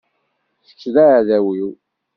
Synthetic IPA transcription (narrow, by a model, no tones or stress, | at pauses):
θə̥t͡ʃːðæðæwiw